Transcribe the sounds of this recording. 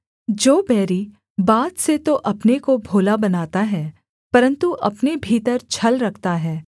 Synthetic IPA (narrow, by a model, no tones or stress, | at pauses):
d͡ʒoːbɛːɾi | baːt̪set̪oʔɐpnekobʱoːlabɐnaːt̪aɦɛː | pɐɾə̃nt̪uʔɐpnebʱiːt̪əɾt͡ʃʰɐlɾɐkʰt̪aɦɛː